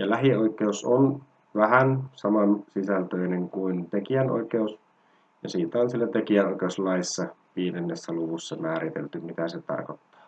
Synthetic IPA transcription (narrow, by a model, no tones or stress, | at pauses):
jɑlæɦio̞ikeuson | ʋæhænsɑmɑnsisælt̪øineŋkuint̪ekiænʔo̰ikeus | jɑsiːt̪æonsielːæt̪ekiænoikˑeuslɑisːɑ | ʋiːdenːesːæluʋusːɑmæːɾit̪ḛlt̪ymit̪æset̪ɑ̰rkot̪ːɑ̥ː